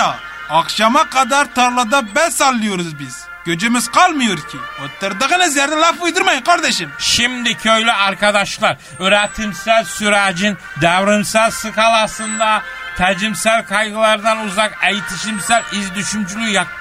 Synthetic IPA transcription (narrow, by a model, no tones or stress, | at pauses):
ɑχʃɑmɑqɑd̪ɑɾt̪ɑɾlˠɑd̪ɑbɛsɑlˠːujuɾʊzbɪz̥ | kʲød͡ʒɪmɪz̥qʰɑlˠmɨjuɾkʲʰiot̪ːɨɾd̪əʁənɛzjæɾd̪ɛlˠɑfujd̪ɨɾmɑjqʰɑɾd̪ɛʃɪmʃimd̪ɪkʲʰøjlɪɑɾkɑd̪ɑʃlˠɑɾ | øɾɛt̪ʰɪmsæzsyɾæd͡ʒin | d̪æwɾɪmsæzsɨkʰɑlˠɑsɨnd̪ɑ | t̪ʰæd͡ʒɪmsæɾqʰɑjʁɨlˠɑɾd̪ɑnuzɑqɛjt̪ʰɪʃimsæɾizd̪yʃymt͡ʃʰylyjɑ